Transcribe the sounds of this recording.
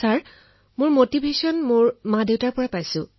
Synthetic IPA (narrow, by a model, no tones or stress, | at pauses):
saɹ | mʊɹmotibʱesɔnmʊɹmãdewtaɹpɔɹapajsʊ̃